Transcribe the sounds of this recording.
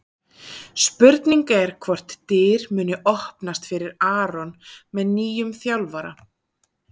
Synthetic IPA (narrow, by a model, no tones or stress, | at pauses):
spʏɾt̪niŋkaɛɾ̥kʰvɔr̥t̪ːɪːɾmʏːnʏʔɔhpnast̪fɪɾɪɾaːɾɔnmɛðniːjʏmθjawlvaɾa̰